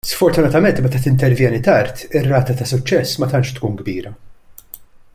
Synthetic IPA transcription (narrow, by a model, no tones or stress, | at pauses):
sfɔɾt̪ʊnɐt̪ɐmɛnt̪mɛt̪ɐt̪ɪnt̪ɛɾvjɛːnit̪ɐɾt̪ɪrːɐːt̪ɐt̪ɐsʊt͡ʃːɛsːmɐt̪ɐnʃt̪kuːnɡbḭːɾɐ